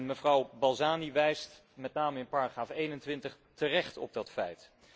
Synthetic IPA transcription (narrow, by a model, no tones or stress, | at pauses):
nməvrɑwbɑlˠzaːniʋɛjst | mɛtnaːməɪnpaːɹaχraːfejnəntʋɪntəχ | tərɛχtɔ̰b̚dɑtfɛjt